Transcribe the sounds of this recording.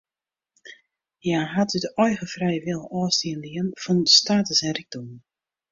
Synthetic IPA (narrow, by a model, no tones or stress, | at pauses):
jaːɦatytɔjɣəfrɛjʋɪlˠɔːstiənliənfɔnstaːtəsɛnriɡ̚dom